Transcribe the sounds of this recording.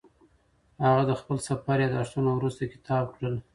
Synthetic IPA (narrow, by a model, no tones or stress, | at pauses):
haɣad̪əxpəlsapɑɾjɑd̪əaʂt̪unawɾust̪akɪ̥t̪ʰɑb̚kɽəl